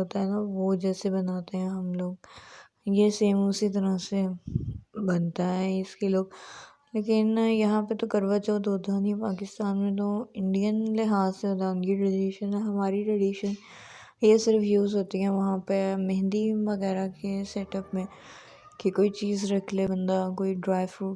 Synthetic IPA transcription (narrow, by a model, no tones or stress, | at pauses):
ɦoːt̪aɦɛnaʋod͡ʒɛːsebɐnaːt̪eɦɛ̃ɦɐmloːɡ̚ | jeseːmʊsit̪̬ɐɾəse | bɐnt̪aɦɛɪskeloːɡ̚ | leːkɪnjɐɦãpet̪okɐɾʋət͡ʃod̪oːd̪ʱaːnipaːkɪst̪aːnmẽt̪oɪ̃ɳɖijənlɪɦaːzseɦoːt̪aʊ̃nɡiʈɾɐɖiʃənɦɛɦɐmaːɾiʈɾɐɖiːʃən | jesɪɾfjuːzɦoːt̪iɦɛ̃ʋɐɦãpemɛ̃ɦnd̪iʋɐɣɛːɾakesɛːʈəpmẽ | kikoːit͡ʃiːzɾɐkʰlebɐ̃nd̪akoːiɖɾaːɪʋu